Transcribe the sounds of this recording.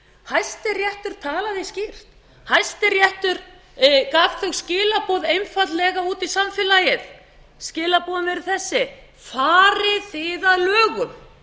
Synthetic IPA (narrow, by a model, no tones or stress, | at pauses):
hajst̪ɪrjɛht̪ʏɾ̥t̪ʰaːlaðiscɪr̥t̪ | hajst̪ɪɾjɛht̪ʏɾ | kafθœɣscɪːlapɔðejnfat̪lɛɣauːt̪isamfɪlajɪð | scɪːlapɔːðʏnvɛɾʏ̥θɛsːɪ | faːɾɪθɪːðaðlœːɣʏm